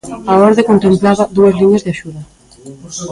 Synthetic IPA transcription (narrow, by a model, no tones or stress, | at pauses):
aoɾðekont̪emplaβaðuezliɲezðeaʃuðɐ